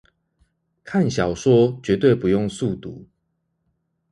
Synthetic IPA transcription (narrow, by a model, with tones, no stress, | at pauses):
kʰa˥˨nɕjɑ˨˩ʊʂwɔ˦t͡ɕɥɛ˨˧˦t̪we˥˨ɪpu˨˦jo˥˨ŋsu˥˨t̪u˨˦